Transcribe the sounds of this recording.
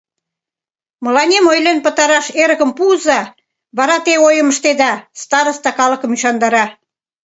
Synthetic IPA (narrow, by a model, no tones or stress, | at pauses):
mə̆lɑnʲemojlenpə̆t̪ɑɾɑʃeɾə̆ɣə̆mpuzɑ | βɑɾɑt̪eojə̆məʃt̪ed̪ɑst̪ɑɾə̆st̪ɑkɑlə̆kə̆myɕɑnd̪ɑɾɑ